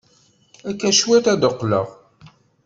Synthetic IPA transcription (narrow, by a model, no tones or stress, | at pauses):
ækːæʃwæt̪æd̪əqːlə̰ʁ